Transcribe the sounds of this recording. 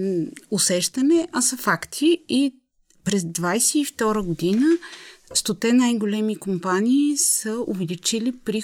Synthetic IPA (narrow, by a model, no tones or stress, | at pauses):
ʊsɛʃt̪ɐnɛʔɐsɐfakt̪ʰii | pɾɛzd̪vajsɛift̪ɔɾəɡod̪inəst̪ot̪ɛnajɡolɛmikompaniːsəʊvɛlit͡ʃilipɾi